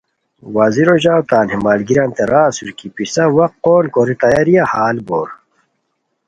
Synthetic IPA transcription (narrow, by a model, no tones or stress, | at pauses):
waziɾoʑaːwt̪aːnhimaːlɡiɾɐnt̪eɾaːsuɾkipisɐwɐqqːoːnkoɾit̪ajɐɾijahaːlboːɾ